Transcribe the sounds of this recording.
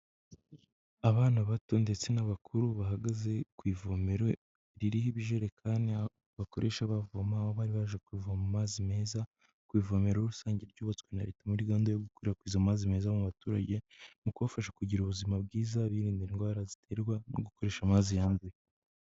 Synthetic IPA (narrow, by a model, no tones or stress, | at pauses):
aβaːnaβato̞nde̞t͡se̞naβakʰuɾuβaɦaɡaze̞kwiːvo̞meɾo | ɾiɾihiβiʒeɾe̞kʰaːni | βakoɾʔe̞ʃaβavomaoβaːɾiβaʒekwiːvoamumaːzime̞ːza | kwiːvo̞me̞ɾoɾusaːɲɟe̞ɾɟoːβat͡skwena̰ɾetamuɾiɡaːndajoɡukoɾeɾakwiːzamumaːzime̞ːzamuβatuːɾa̰ɟe̞mukuβafaʃekuɟiɾuβuzimabɡiːzaβiːɾiːndiiŋɡwaːɾazitʰe̞ɾɡwano̰ɡuko̞ɾeʃamaːzijaːnze